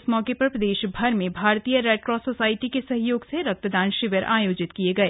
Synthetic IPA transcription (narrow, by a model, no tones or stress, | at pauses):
smɔːkepɐɾpɾɐd̪eːʃbʱɐɾmẽbʱaːɾt̪ijəɾɛːʈɾɔːsoːsaːɪʈikesɐɦjoːɡseɾɐk̚t̪əd̪aːnʃɪʋjəɾʔa̰ːjoːd͡ʒɪt̪kieɡɐeː